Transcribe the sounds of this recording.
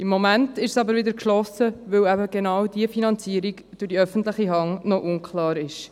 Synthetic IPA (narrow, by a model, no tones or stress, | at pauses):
ɪmːomæntɪʃsɑbəɾvɪdəkʃlɔsəʋøwæbəɡenɑwd̥iəfinɑnt͡siːəɾiɡ | d̥ʊɾdiœfən̩tləχiɦɑŋnɔʔʊŋkʰlɑːɾɪʃ